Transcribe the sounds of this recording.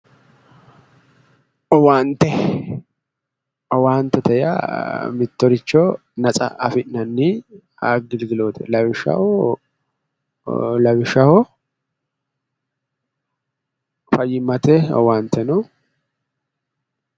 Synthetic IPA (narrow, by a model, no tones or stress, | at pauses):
ɔwaːnt̪ɛ | ɔwaːnt̪ːɛt̪ɛja̰mɪt̪ːɔɾɪt͡ʃːɔ | nɐt͡sʼɐ̰ʔɐ̰fɪʔnɐnːɪ | a̰ːɡɪlɡɪloːt̪ɛ̰lɐβɪʃɐ̰hɔ | lɐbɪʃɐhɔ | fɐjːɪmɐt̪ɛɔ̰waːnt̪ːɛnɔ